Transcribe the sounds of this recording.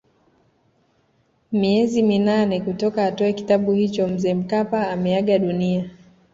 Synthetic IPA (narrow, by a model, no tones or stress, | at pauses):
miɛziminanɛkutɔkaːtɔɛki̥taɓuhit͡ʃɔm̩zɛːm̩kapaːmɛaɠaɗunia